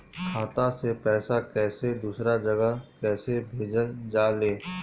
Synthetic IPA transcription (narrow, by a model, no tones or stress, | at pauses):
kʰaːt̪ãsepɛːsakɛːsed̪uːsɾad͡ʒɐɡəɦkɛːsebʱeːd͡ʒəld͡ʒaːleː